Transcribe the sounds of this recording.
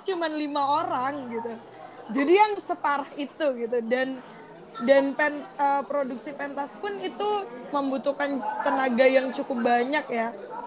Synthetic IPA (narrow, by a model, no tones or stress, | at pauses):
t͡ʃumanlimaoɾaŋɡit̪u | d͡ʒadijaŋsəpaɾahit̪uɡit̪udan | danpɛnəpɾoduksipɛnt̪aspʊnit̪uməmbut̪ukant̪ənaɡajaŋt͡ʃukʊp̚baɲak̚ja